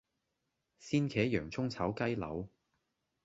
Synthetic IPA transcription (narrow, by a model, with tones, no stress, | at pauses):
siː˥nkʰɛː˨˥jœː˨˩ŋt͡sʰʊ˥ŋt͡sʰɐ˨˥wkɐ˥jlɐ̰˨˧˥w